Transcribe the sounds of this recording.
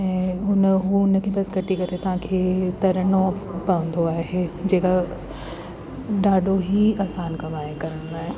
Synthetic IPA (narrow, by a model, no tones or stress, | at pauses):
ɛ̃ːʊnɦuʊnkʰeːpɐsɡɐʈʰikɐɾet̪ɐʋ̤ãkʰeːt̪ɐɾənopɐʋə̃n̆d̪oaːɦed͡ʑeːka | ɖaːɖʱoɦiaːsaːnkɐmaːekɐɾənd̪aːɦe